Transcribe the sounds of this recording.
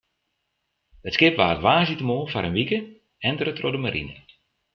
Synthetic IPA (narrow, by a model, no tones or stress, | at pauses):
ətskɪpʋaːtʋaːzitəmoːfaɾənʋikə | ɛndərətrodəmaɾḭnə̰